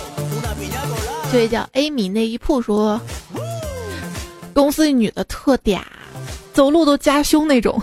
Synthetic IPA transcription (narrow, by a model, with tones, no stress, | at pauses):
t͡ɕo˥˩ɛ˨˩t͡ɕjɑ˥˩ʊʔe˥ɪmi˧˩˥ne˥˩ɪi˧˥pʰu˥˩ʂwɔ˥ | kʊ˥ŋsɹ̩˥˧ny˨˩d̪ə˦t̪ʰɤ˥˩t̪jɛ̰˨˩˦ | t͡so˨˩ʊlu˥˩t̪o˥ʊt͡ɕja˥ɕjʊ˥ŋne˥˩ɪʈ͡ʂʊ̰˨˩˦ŋ